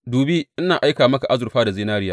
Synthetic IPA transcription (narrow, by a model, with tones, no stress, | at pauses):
duː˨bi˦ʔɪ˦naː˨ʔa˦jkaː˨mɐ˦ka˨ʔa˦zʊ˨rɸaː˦da˨zɪː˦naː˦ɽɪ˦jaː˦˨